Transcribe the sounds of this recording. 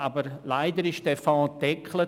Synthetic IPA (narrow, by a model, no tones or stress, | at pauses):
aːbəɾlaɪdəɾɪʃd̥ɛːfɑ̃ːd̥ɛkʰlə